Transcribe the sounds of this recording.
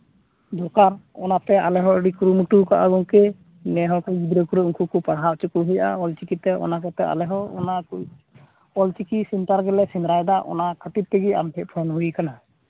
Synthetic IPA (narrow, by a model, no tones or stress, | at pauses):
d̪ɔkaɾɔnat̪ɛalɛɦɔəɖikɾumuʈukaʔaɡɔŋkɛ | nɛɦɔkɛɡid̪ɾəkuɾɛuŋkukupaɽɦaʔt͡ʃukuɦujaʔa̰ɔlt͡ʃikit̪ɛʔɔ̰nakɔt̪ɛa̰lɛɦɔɔnaku | ɔlt͡ʃikisint̪aɾɡɛlɛsinɾajd̪aʔɔ̰nakʰət̪it̪̚t̪ɛɡia̰mʈʰɛʔ̚pʰɔnɦuikana